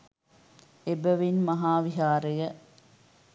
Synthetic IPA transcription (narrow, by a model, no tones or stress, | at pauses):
ebəʋinmɐɦaːʋiɦaːɾejɐ